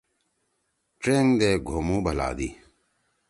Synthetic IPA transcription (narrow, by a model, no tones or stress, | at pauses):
ʈeːŋd̪eːɡʱoːmũːbʱəla̰ːd̪iː